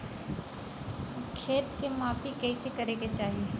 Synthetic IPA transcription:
kʰeːt̪kemaːpikɛisekɐɾeɡet͡ʃaːɦie

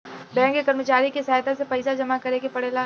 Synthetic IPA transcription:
bɛ̃ːŋkːekɐɾmət͡ʃaːɾikesaːjd̪asepɐɪsad͡ʒɐmakɐɾekepɐɽela

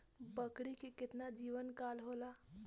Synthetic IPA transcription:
bəkɽikekɪt̪nad͡ʒiʋənkalɦola

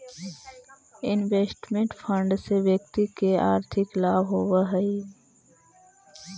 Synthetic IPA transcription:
ɪnʋeːsʈmẽɳʈpʰə̃ɳɖseʋjək̚t̪ikeaːɾt̪ʰɪklaːbɦoːʋaɦəi

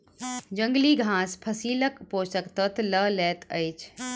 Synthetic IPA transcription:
d͡ʑə̃ŋɡliːɡʱãːspʰɐsiːləkpoːsəkt̪ət̪ʰləlɛːt̪ə̰jt͡ʃʰ

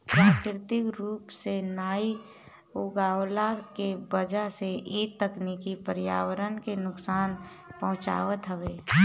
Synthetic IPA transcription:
pɾaːkɾɪt̪ɪkɾuːpsenaːi | ʊɡaːwlakebəd͡ʒəɦseʔiːtt̪ːəknikipəɾɪjaːwəɾənkenʊksaːn | pɐɦʊ̃t͡ʃa̰ːʋət̪ɦəʋeː

